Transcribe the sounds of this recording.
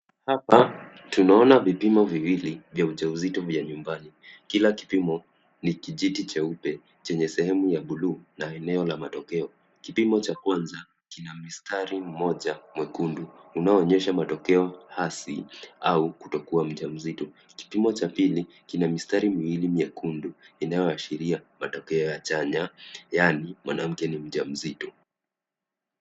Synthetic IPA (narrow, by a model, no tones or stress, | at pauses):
hapa | tunaɔnavipimɔviwilivjauʄauzitɔvjaɲumbani | kilaki̥pimɔ | nikiʄitit͡ʃaupɛ | t͡ʃɛɲɛsɛhɛmujaɓuluːnaɛnɛɔlamatɔkɛɔ | kipimɔt͡ʃakwanza | kinamistʰaɾim̩mɔʄamwɛkunduːnaɔːɲɛʃamatɔkɛɔhasḭaukutɔkuam̩ʄam̩zitɔ | ki̥pimɔt͡ʃapili | kinamistaɾimiwilimiɛkunduinajɔaʃiɾiamatɔkɛɔjat͡ʃaɲajanimwanam̩kɛnim̩ʄam̩zitɔ